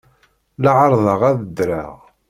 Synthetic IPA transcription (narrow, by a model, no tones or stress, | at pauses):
ləʕəɾˤðˤɑʁæðəd̪ɾa̰ʁ